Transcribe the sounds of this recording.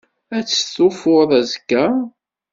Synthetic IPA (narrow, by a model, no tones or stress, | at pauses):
æt͡sːə̥θufʊðˤæzkːæ